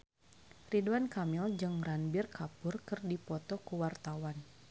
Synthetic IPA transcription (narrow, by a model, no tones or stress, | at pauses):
riduwankamɪld͡ʒɨŋranbɪrkapʊrkɨrdipɔt̪ɔkuwart̪awan